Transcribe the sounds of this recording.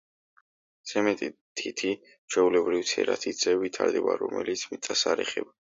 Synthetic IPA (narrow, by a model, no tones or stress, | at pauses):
z̥ɛmɛt̪ʼit̪ʰit̪ʰi | t͡ʃʰɛulɛbɾivt̪sʰɛ̰ɾat̪ʰisɛbit̪ʰaɾd̪ɛbaɾɔmɛlit̪sʰmit̪sʼasaɾɛχɛba